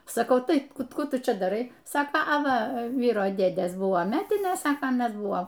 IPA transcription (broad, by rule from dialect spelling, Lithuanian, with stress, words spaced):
sɐˈkɐʊ ˈtɐɪ ˈkuː ˈtʊ ˈt͡ʃʲɛ dɐˈrɐɪ ˈsɑːkoː ɐ ˈʋɐ ˈʋʲiːroː ˈdʲeːdʲeːs ˈbʊʋoː ˈmʲæːtʲɪnʲeːs ˈsɑːkɐ ɐˈnɐs ˈbʊʋoː